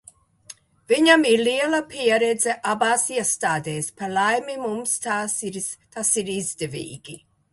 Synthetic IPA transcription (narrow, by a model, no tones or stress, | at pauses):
v̥iɲamiɾliɛlapiɛɾɛd̪zɛʔabaːsiɛst̪aːd̪eːspaɾlajmimumst̪aːt̪asiɾizd̪evḭːɡi